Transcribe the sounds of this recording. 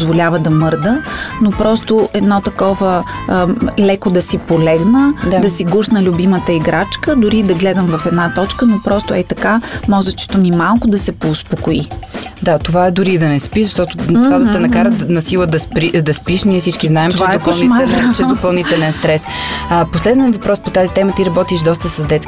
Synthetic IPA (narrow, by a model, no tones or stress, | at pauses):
zvolʲavəd̪ɐmɤɾd̪ənopɾɔst̪oɛd̪nɔt̪ɐkɔvə | lɛkod̪ɐsipolɛɡnədad̪ɐsiɡuʃnəlʲʊbimət̪əiɡɾat͡ʃkəd̪ʊɾid̪ɐɡlɛd̪əmvɐfɛd̪nat̪ɔt͡ʃkənopɾɔst̪oɛt̪ɐkamɔʒɛt͡ʃt̪omimalˠkʊd̪ɐsɛpoːspokoid̪at̪ovaɛd̪ʊɾiːd̪ɐnɛspizɐʃt̪ɔt̪ott̪ovad̪ɐt̪ɛnɐkaɾənɐsilˠəd̪ɐspɾid̪ɐspiʃniɛfsit͡ʃkiznaɛmtot͡ʃɛvɛaɛopɐlˠnimlɛt͡ʃɛd̪opɐlˠnit̪ɛlɛnst̪ɾɛsposlɛd̪nɛvɐpɾɔspot̪azit̪ɛmət̪iɾɐbɔt̪iʃd̪ɔs̬t̪əsɐzd̪ɛt̪sk